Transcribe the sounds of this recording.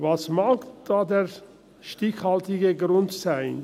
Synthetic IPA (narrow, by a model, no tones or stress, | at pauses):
vasmaːkd̥aːdeːʁ | ʃtɪçhaltɪɡəɡʁʊntsaɪn